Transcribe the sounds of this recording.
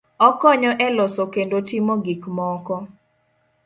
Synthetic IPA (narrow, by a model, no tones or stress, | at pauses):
ɔkɔɲɔʔɛlɔsokendotimɔɡikmɔkɔ